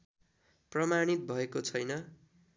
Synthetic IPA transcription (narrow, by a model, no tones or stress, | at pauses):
prʌmaɽ̃it̪̚bʱʌekot͡sʰʌjnʌ